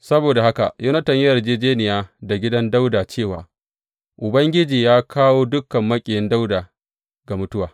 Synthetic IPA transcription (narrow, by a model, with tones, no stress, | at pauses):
sɐ˦boː˨da˨ha˦ka˨ju˦nɐ˦tɐ˨ɲjrd͡ʒeː˦d͡ʒeː˦nɪ˨jaː˦da˨ɡʲɪ˦dɐ˦nda˦wdaː˨t͡ʃeː˦˨waː˨ | ʔʊ˨bɐ˦ŋɡʲɪ˦d͡ʒiː˨jaː˦kʰaː˦woː˦dʊ˦kːɐ˨mːɐ˦kʲʼɪ˨jɪ˦nda˦wdaː˨ | ɡa˨mʊ˦tʊ˦waː˨